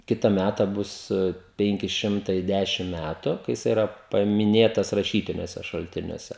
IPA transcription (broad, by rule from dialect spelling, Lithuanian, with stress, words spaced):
ˈkʲɪtɐ ˈmʲætɐ ˈbʊs ˈpʲɛŋʲkʲɪ ˈʃʲɪmtɐɪ ˈdʲæʃʲɪm ˈmʲætʊ kɐɪ jɪˈsɐɪ ɪˈrɐ pɐmʲɪˈnʲeːtɐs rɐˈʃʲiːtʲɪnʲuɔsʲɛ ʃɐlʲˈtʲɪnʲuɔsʲɛ